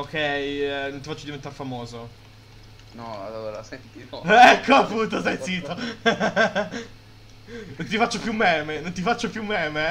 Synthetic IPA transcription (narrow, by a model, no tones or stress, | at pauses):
okːɛjnont̪ifat͡ʃːod̪ivent̪aɾefamoːzo | nɔ̰looɾa̰sɛnt̪iɛkʰːoapːuːnt̪osajsiːt̪o | nont̪ifat͡ʃːopjumːɛːmenont̪̬ifat͡ʃːopjumːɛːme